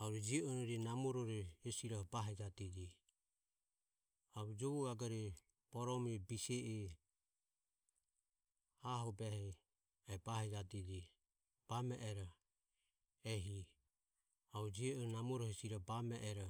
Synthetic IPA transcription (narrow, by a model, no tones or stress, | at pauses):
auɾɛd͡ʒiɔnɔɾinamɔɾɔɾɛhɛsiɾahbaɦɛd͡ʒat̪id͡ʒi | aβud͡ʒɔβuɡaɡaɾɛ | b̥ɔɾɔmɛbisɛʔɛ | aɦɔbɛhɛ | ɛbaɦɛd͡ʒat̪id͡ʒi | b̥amɛʔɛɾɔ | ɛɦi | aud͡ʒiɾɛnamɔɾɔhɛsiɾabamɛʔɛɾɔ